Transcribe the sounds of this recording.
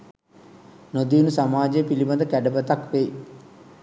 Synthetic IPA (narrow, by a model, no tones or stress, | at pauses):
nod̪iːnusamaːd͡ʒejəpilibɐnd̪əkæɖəbət̪akʋej